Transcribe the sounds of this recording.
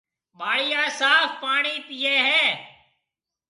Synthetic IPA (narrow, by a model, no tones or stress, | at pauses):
ɓaːɽiːaːsaːfpaːɳiːpijeːɦɛː